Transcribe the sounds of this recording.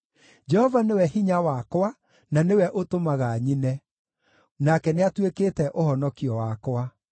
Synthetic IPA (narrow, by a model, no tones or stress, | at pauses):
d͡ʒɛhɔvanewɛɦiɲawakwa | nanewɛʔotomaɣaɲinɛ | nakɛneatwekeːtɛʔohɔnɔkiɔwakowa